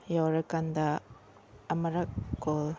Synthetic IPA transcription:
jawɾakand̪aː | mɐɾakːol

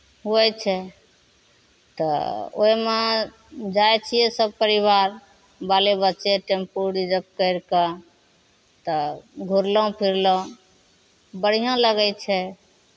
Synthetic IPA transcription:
ɦuɛt͡ʃʰɛ | t̪ɔ̰o̰ime | d͡ʒajt͡ʃʰijesəb̚pəɾiβaɾ | balebəːt͡ʃeʈempuɽid͡ʒəb̚kəɪɾkə | t̪ɔɡʱuɾlə̃pʰiɾlɔ̃ | bəɽ̤ijõləɡɛjt͡ʃʰɛ

